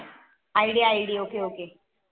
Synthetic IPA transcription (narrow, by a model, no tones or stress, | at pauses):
ajɽiajɽiokeoːke